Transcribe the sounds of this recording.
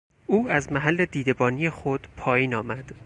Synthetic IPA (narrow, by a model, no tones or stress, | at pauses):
uːæzmæɦælːe̞d̪iːd̪e̞bɒːnijexod̪̥pʰɒːjiːnɒːmæd̪̥